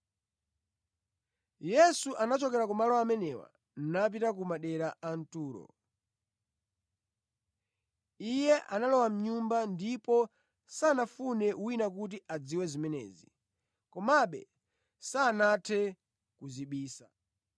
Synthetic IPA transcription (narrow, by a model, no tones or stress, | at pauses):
jɛsuʔanat͡ʃɔkɛɾakɔmalɔwamɛnɛwa̰ | n̩nap̬itak̬umaɗɛɾaan̩tuːɾɔ̰ | ijɛʔanalɔwam̩ɲumbandipɔ | sanafunɛuwinak̬ut̬iʔad͡ziwɛzimɛnɛ̰ːzi | kɔmaɓɛ̰ | saːnatʰɛ | kuziɓiːsa